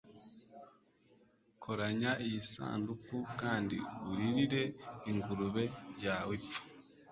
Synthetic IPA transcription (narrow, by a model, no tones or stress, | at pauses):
kʰoɾaɲaijisa̰ːndukukaːndḭuɾiɾiɾe̞iŋɡuɾuβe̞jawipu̥